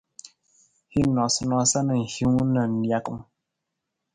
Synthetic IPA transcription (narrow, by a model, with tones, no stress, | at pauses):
hi˦nɔ˨snɔ˨sa˦nə˨ŋ̩˨hu˦ŋ˦nə˨n˦dja˦kə˨m